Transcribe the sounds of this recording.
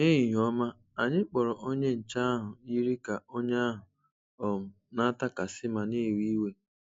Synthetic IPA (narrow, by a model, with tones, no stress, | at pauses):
ne˦ɦi˨ɦɔ˦ma˦ | a˨ɲɪ˦k͡pɔ˨ɾɔ˨ʔo˦ɲe˦n̩˨t͡ʃa˦a˦ɦʊ˨i˦ɾi˦ka˨o˦ɲ˦a˦ɦʊ˨ | ɔ˨m̩˨ | na˦ta˦ka˨sɪ˦ma˨ni˦˨wi˦we˦